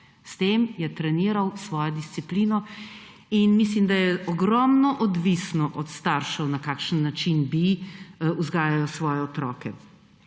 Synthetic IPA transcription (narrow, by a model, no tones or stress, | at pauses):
st̪eːmjɛt̪ɾɛniːɾɐwsʋɔːjɔd̪ist̪siplinɔ | inmis̬limd̪ajɛɔɡɾɔmnɔʔɔd̪ʋisnɔʔɔt̪st̪aɾʃɛwnakaːkʃənːat͡ʃinbi | uzɡaːjajɔsʋɔːjɛɔt̪ɾɔːkɛ